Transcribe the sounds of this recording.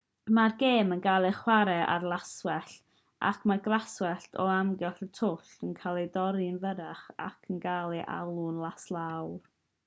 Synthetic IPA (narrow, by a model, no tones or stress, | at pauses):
marɡeːmənɡalˠɨχwaɾɛʔa̰rlˠaswɛɬ | ʔa̰kʰmarɡlaswɛɬtʰɔamɡɛɬətʰʊɬənkʰalˠedɔɾɨnvəɾaχa̰kʰənɡalˠɨʔa̰lˠunlˠaslˠawr